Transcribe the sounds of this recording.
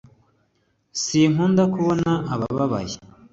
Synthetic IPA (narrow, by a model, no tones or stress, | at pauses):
siŋ̥uːndakuβo̞naːβa̰βaβa̰je